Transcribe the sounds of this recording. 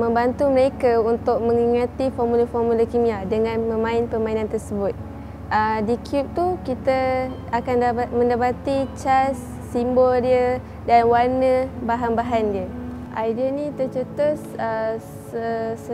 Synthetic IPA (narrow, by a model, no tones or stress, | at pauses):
mə̃mbant̪uməɾekaunt̪ʊk̚mə̃ŋiŋãt̪ifɔrmulafɔrmulakimiadəŋãnməmãɪnpəmãinãnt̪ərsəbʊt̪̚ | ʔədikjup̚t̪ukit̪a | akanaamə̃ndapat̪it͡ʃasː | imbɔldiə | danwarnəbaɦanbaɦandiə | ʔa̰idiənĩt̪ət͡ʃət̪osə | əs